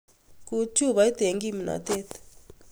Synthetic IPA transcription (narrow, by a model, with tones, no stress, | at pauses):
ku˦t͡ʃʰu˦βa˨i˦t̪e˨ŋɡi˦mi˨na̰˨t̪e˦t̪